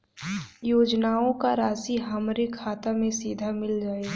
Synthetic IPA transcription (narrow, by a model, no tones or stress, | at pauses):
joːd͡ʒnaːõkaɾaːsiɦɐmɾikʰaːt̪amẽsiːd̪ʱamɪld͡ʒaːeː